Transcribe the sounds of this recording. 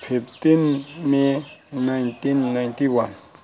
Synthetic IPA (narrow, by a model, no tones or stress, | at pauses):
pʰep̚t̪enmenaŋt̪enːaŋt̪iwan